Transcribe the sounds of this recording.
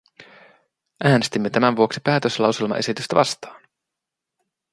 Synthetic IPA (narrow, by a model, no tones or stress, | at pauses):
ʔæːne̞st̪imːe̞t̪æmænʋuo̞ksipæːt̪øslɑwse̞lmɑ̰ʔesit̪yst̪æʋɑ̰st̪ɑːn